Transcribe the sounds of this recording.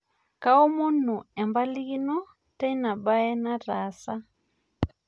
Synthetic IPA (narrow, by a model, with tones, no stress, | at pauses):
ka˦ɔ˦mu˦n̤u˨ɛ˨mba˦li˦ɣi˦nɔ˦ | ta˦i˦na˨ɓa˦ɛ˦na˦ɾa˨˦sa˦